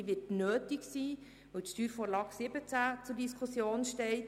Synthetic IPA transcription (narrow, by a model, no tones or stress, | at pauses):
ʋɪtnøːtiksiː | ʋətʃtyːɾfoːɾlɑːksɪbət͡sæt͡sʊɾdiskʰusjoːnʃtɛɪt